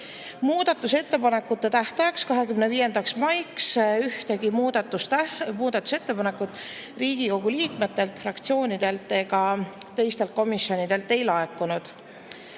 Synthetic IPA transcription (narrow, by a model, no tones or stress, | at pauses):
muːd̪̥ɑt̪ːˑuse̞t̪ːe̞pɑne̞kːˑut̪ːˑet̪æht̪ɑjɑkskɑɦe̞kymneviːje̞nd̪ɑksmɑjksyht̪e̞ɡimud̪̥ɑt̪ːusmuːd̪̥ɑt̪ːˑu̥se̞t̪ːe̞pɑne̞kːˑut̪ːˑ | riːɡ̥iko̞ɡ̥uliːkme̞t̪ːˑe̞lt̪frɑkt̪sio̞ːnid̪̥e̞lt̪ːˑe̞ɡɑ | t̪e̞jst̪elt̪̚ko̞misːo̞nid̪̥e̞lt̪ːˑe̞jlɑekːˑunud̪̥